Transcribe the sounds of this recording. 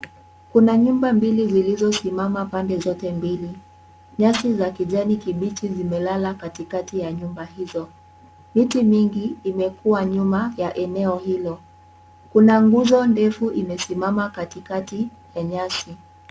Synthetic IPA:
kunaɲumbambilizilizɔsimamapandɛzɔtɛmbili | ɲasizakiʄanikiɓitizimɛlalakatikatijaɲumbaɦizɔ | mitimiŋɡiːmɛkuwaɲumajaʔɛnɛɔhilɔ | kunaŋɡuzɔndɛfuʔimɛsimamakatikati | jaɲasi

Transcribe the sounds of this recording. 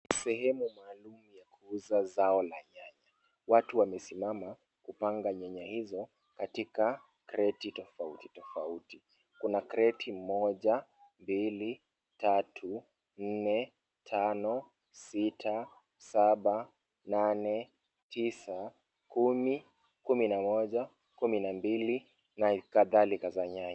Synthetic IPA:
sɛhɛmumaːlumujakʰuuzazaɔlaɲaɲa | watuwamɛsimama | kupaŋɡaɲaɲahizɔ | katika | kɾɛtitɔfautitɔfauti | kunakɾɛtʰimɔʄambili | tatʰu | n̩nɛ | tʰanɔ | sitʰa | saɓa | nanɛ | tʰisa | kumi | kuminamɔʄa | kuminambili | nakaðalikazaɲa

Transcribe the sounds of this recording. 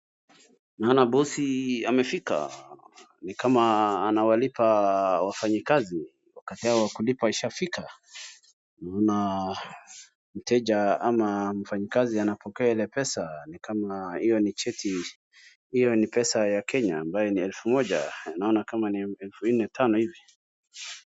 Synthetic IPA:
naɔnabɔsiamɛfika̰ | nikamaːnawalipawafaɲikazi | wakatiaɔwakulipaiʃafika | naɔna | m̩tʰɛʄaamam̩faɲikazianapɔkɛailɛpɛsanikamahijɔnit͡ʃɛtʰi | hijɔnipɛsajakʰɛɲaːmbajɔniɛlfumɔʄa̰anaɔnakamaniɛlfun̩nɛtʰanɔhivi

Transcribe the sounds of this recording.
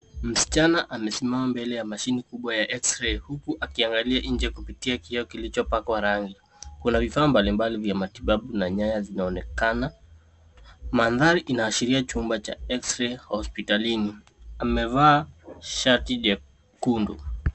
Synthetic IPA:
m̩si̥t͡ʃanaʔamɛsimamambɛlɛjamaʃinikuɓwajaʔɛksɾɛhukuʔakiaŋɡaliaʔiɲ̩d͡ʒɛkupitiakiɛɔkilit͡ʃɔpakwaɾaŋɡi | kunavifaːmbalimbalivjamatiɓaɓunaɲaɲazinaɔnɛkana | manðaɾiʔinaːʃiɾiat͡ʃumbat͡ʃa̰ɛksɾɛhɔspitalini | amɛvaːʃaɾtiʄɛ | kundṵ

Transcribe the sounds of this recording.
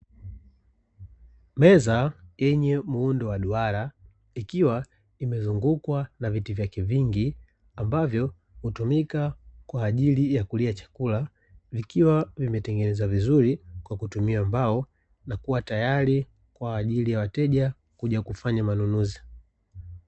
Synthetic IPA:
mɛzajɛɲɛmuundɔwaɗuaɾa | ikiwa | imɛzuŋɡukwanavitivjakɛviŋɡi | ambavjɔ | hutumikakwaːʄilijakuliat͡ʃḁkula | vikiwavimɛtɛŋɡɛnɛzavizuɾikwakutumiambaɔ | nakuwatajali | kwaːʄilijawatɛʄa | kuʄakufaɲamanunuzi̥

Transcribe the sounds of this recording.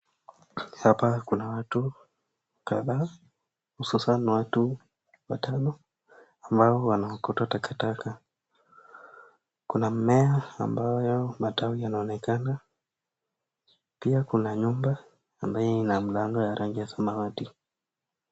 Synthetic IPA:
hapakunawatu | kaðaː | hususanwatu | watʰanɔ | ambaɔwanaɔkɔtwatakataka | kunam̩mɛaambajɔmatawijanaɔnɛkana | piakunaɲumba | ambajɛinam̩laŋɡɔjaɾʔaŋɡiasamawati

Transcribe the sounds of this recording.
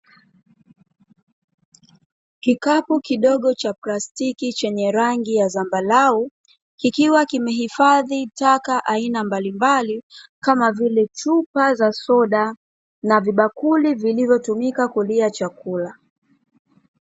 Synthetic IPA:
kikapukiɗɔɠɔt͡ʃaplastikit͡ʃɛɲɛɾaŋɡijazambalau | kikiwakimɛɦifaðitakaʔainambalimbalikamavilɛt͡ʃupazasɔɗa | naviɓakulivilivjɔtumikakuliat͡ʃakula

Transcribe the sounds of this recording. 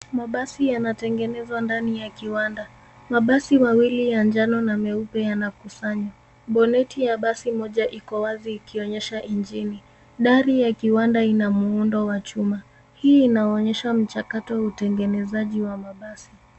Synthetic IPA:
maɓasijanatɛŋɡɛnɛzwandanijakiwanda | maɓasimawilijand͡ʒanɔnamɛupɛjanakusaɲwa | ɓɔnɛtijaɓasimɔʄaʔikɔwaziːkiɔɲɛʃaʔind͡ʒini | ɗaɾijakiwandainamuundɔwat͡ʃuma | hiːnaɔɲɛʃam̩t͡ʃakatɔwautɛŋɡɛnɛzaʄiwamaɓasi

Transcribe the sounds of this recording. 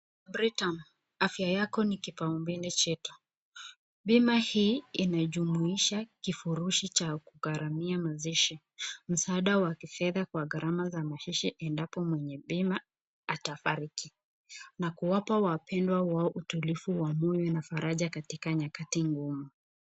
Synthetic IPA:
bɾitan | afjajakɔnikipaumbilit͡ʃɛtu̥ | ɓimahiːinaʄumuiʃakifuɾuʃit͡ʃakuɣaɾʔamiamaziʃi | m̩saːɗawakifɛðakwaɣaɾʔamazamahiʃiʔɛndapɔmwɛɲɛɓima | atafaɾiki | nakuwapawapʰɛndwawaɔʔutulifuwamujɛnafaɾʔaʄakatikaɲakatiŋɡumu

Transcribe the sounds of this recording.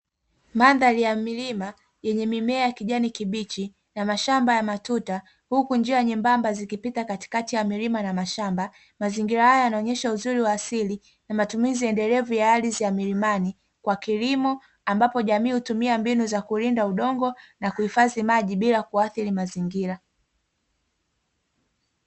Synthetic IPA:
manðalijamilima | jɛɲɛmimɛajakiʄanikiɓit͡ʃi | namaʃambajamatuta | hukund͡ʒiaɲimbambazikipitakati̥katijamiɾimanamaʃamba | maziŋɡiɾahajajanaɔɲɛʃauzuɾiwaːsili | namatumiziɛndɛlɛvujaalizijamiɾimani | kwakilimɔ | ambapɔʄamiːhutumiambinuzakulindauɗɔŋɡɔnakuhifazimaʄiɓilakuaθiɾimaziŋɡiɾa

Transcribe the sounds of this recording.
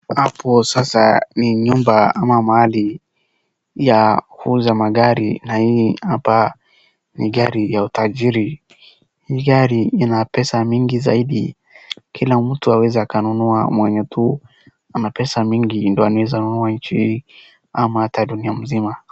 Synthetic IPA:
hapʰɔsasa̰niɲumbaamamahali | jahuzamaɡaɾḭnahihapa | niɠaɾijautaʄiɾi | hiɡaɾiinapɛsamiŋɡizaiɗi | kʰilam̩tuawɛzɛakanunua̰mwɛɲɛtʰu | anapɛsamiŋɡindɔanawɛzanunuaɲt͡ʃihiː | amaataɗuniam̩zima

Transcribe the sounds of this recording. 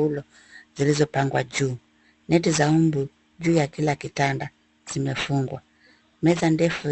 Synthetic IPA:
ulɔ | zilizɔpaŋɡwad͡ʒuː | nɛt̬izaumbu | d͡ʒuːjakilakitanda | z̥imɛfuŋɡwa | mɛzandɛfu

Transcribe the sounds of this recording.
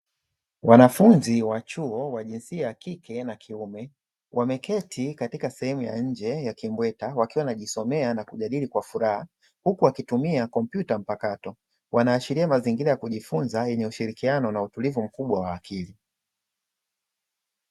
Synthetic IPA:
wanafunziwat͡ʃuɔwaʄinsiajakikɛnakʰiumɛ | wʔamɛkɛtʰikatikasɛhɛmuja̰ɲ̩d͡ʒɛjakimbwɛtawakiwanaʄisɔmɛanakuʄaɗilikwafuɾaha | hukuwakitumiakɔm̩pjutam̩pakatɔ | wanaːʃiɾiamaziŋɡiɾajakuʄifunzajɛɲɛuʃiɾikianɔnautulivum̩kuɓwawaːkʰili

